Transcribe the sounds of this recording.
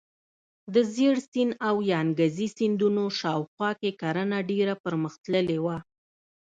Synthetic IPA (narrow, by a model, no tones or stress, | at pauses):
d̪əzeɽsinawjɑnɡazisind̪unoʃɑwxwɑkekaɾənaɖeɾapəɾməxt̪ləlewa